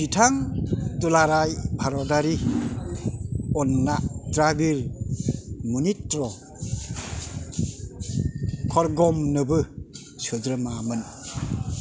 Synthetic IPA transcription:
bitʰaŋtulaɾajbʱaɾɔdaɾi | ɔnːadɾabiɾ | munitɾɔ | kʰɔɾɡɔmnɯbɯ | sɯd͡ʒɾɯmamɯn

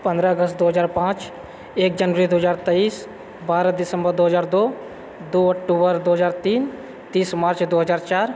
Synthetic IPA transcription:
pə̃nd̪ɾaəɡəst̪d̪oːɦəzaːɾpãːt͡ʃ | eːk̚d͡ʒənʋəɾid̪oːɦəzaːɾt̪ɛiːs | baːɾad̪ɪsə̃mbəɾd̪oːɦəzaːɾd̪oː | d̪oːɔk̚ʈuːbəɾd̪oːɦəzaːɾt̪iːn | t̪iːsmaːɾt͡ʃd̪oːɦəzaːɾt͡ʃaːɾ

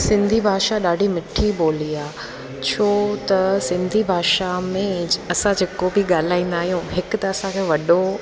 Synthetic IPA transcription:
sɪ̃nd̪ʱibʱaːʃaɗaːɖʱimɪʈʰiboːliaː | t͡ɕʰoːt̪ɐsɪ̃nd̪ʱibʱaːʃamẽɐsãd͡ʑʱeːkobiɠaːl̤aːĩːnd̪aːɦijũɦɪkt̪ɐɐsãkʰeːʋɐɗo

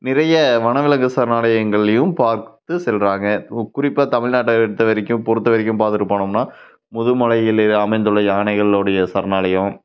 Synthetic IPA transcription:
nɪɾɐjɐʋɐnɐʋɪlɐŋɡɯsɐɾnaːlɐjɐŋɡɐɭɐjɯmpaːɾt̪ɯsɛlraːŋɡɐkʊrɪpːaːt̪ɐmɪɭnaːʈːɐɛɽɯt̪ːɐʋɐɾɪkʲːɯ̃mpɔɾɯt̪ːɐʋɐɾɪkʲːɯ̃mpaːt̪ɪɾɯpːaːɳɯmnaː | mʊðɯmɐɭɐjɪlɪɐmɐɪnd̪ɯlːɐjaːnɐɪɣɐɭlɔɽɐjɐsɐɾnaːlɐjɐ̃m

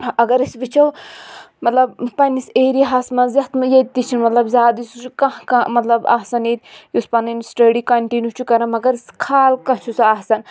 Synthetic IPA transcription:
ɐɡɐɾisʋit͡ʃʰɐw | mɐt̪lɐbpɐnʲiseːɾiɦɐsmɐzɐht̪mjɐt̪̚t̪it͡ʃʰinmɐt̪lɐbzʲaːd̪ist͡ʃʰukɐ̃ɦkamɐt̪lɐbɐ̰ɦsɐniːt̪̚juspɐnɐnsʈɐɖikɐɳʈinjut͡ʃʰukɐɾɐmɐɡɐɾiskʰaːlkɐt͡ʃʰusɐɐhsɐn

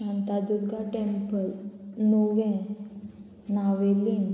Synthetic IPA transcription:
ãnt̪ad͡ʑud̪ɡʱaʈempəlnoʋɛ̃ | naʋeliŋ

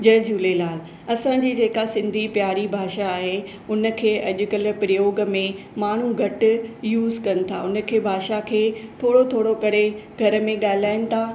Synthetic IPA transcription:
d͡ʑɐːd͡ʑuːlelaːl | ɐsãd͡ʑiːd͡ʑeːkasɪ̃nd̪ʱipjaːɾibʱaːʃaːɦe | ʊnə̆kʰeːʔɐʄʊkəl̆pɾɪjoːɡ̆mẽ | maːɳ̤uɡʱɐʈʊ̆juːzkɐnɪ̆t̪ʰa̰ʊnə̆kʰeːbʱaːʃakʰeːt̪ʰoːɽot̪ʰoːɽokɐɾeɡʱɐɾə̆mẽɠaːɪlaːɪnɪ̆t̪ʰaː

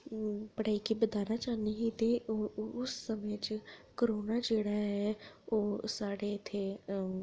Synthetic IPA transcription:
pəɽaːiːkiːbəd̪aːnaːt͡ʃaːniɦiːt̪eːʊsːəmẽt͡ʃkəɾoːnaːd͡ʒeːɽaːɦɛːoːsaːɽeɪt̪ʰːeː

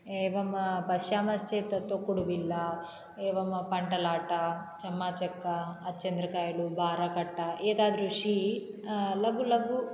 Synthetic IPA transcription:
eːʋɐmpɐʃjaːmɐst͡ʃeːt̪ɐt̪okːuɽuʋilːɐ | eːʋɐmpɐɳʈɐlaːʈɐt͡ʃɐmːaːt͡ʃɐkːɐːt̪t͡ʃɐnd̪ɾɐkaːjɐlubʱaːɾɐkɐʈːɐʔeːd̪aːd̪ɐɾuʂi | lɐɡulɐɡu

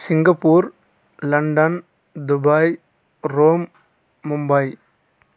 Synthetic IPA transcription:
sɪŋɡɐpːuːɾ | lɐɳɖɐn | d̪ʊbaːj | ɾoːmː | ʊmbaːj

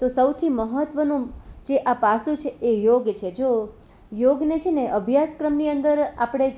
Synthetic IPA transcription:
t̪osəwt̪ʰiməɦət̪ʋənũd͡ʒeʔapasũt͡ʃʰeejoɡt͡ʃʰed͡ʒo | joɡnet͡ʃʰeneʔəbʱjaskɾəmniənd̪əɾapɽ̃e

